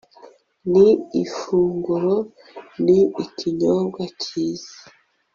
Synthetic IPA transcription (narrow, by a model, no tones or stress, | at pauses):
niifuːŋɡuɾo | niːcʰiɲoːmɡwacʰiːz̥ḁ